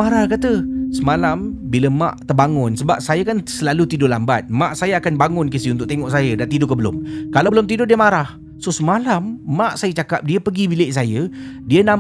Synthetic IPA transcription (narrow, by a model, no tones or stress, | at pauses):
aɾahkat̪əsəmalambiləmã̰ʔt̪ərbaŋʊnsəbap̚sajakansəlalut̪idʊlambat̪̚maʔsajaakanbaŋʊnkisiunt̪ʊk̚ʔt̪eŋɔʔsajədaʔt̪idʊkəbəlʊ̰mkalabəlʊmt̪idʊdiəmaɾah | sosəmalamːaʔsajət͡ʃakap̚diəpəɡibileʔsajədiənã